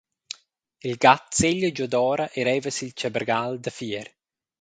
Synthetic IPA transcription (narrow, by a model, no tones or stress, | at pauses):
ilɡat̪seʎːəd͡ʒɔd̪ɔːɾaʔɛɾɛvəsilt͡ʃabəɾɡald̪əfiɾ